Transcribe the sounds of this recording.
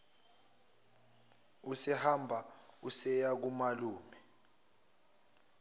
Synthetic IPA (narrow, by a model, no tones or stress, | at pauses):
usɛhambʱausɛjak̬umaluːmɛ